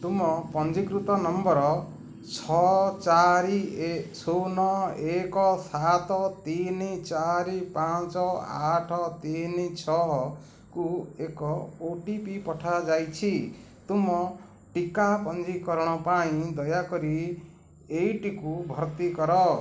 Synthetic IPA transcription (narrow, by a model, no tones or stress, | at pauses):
t̪umɔpɔnd͡ʒikɾut̪ɔnɔmbɔɾɔ | t͡ʃʰɔt͡ʃaɾisonɔekɔsat̪ɔt̪init͡ʃaɾipãt͡ʃɔa̰ʈʰɔt̪init͡ʃʰɔ | kuekɔoʈipipɔʈʰad͡ʒajt͡ʃʰi | t̪umɔ | ʈikapɔnd͡ʒikɔɾɽ̃ɔpaĩd̪ɔjakɔɾi | ejʈikubʱʌɾt̪ikɔɾɔ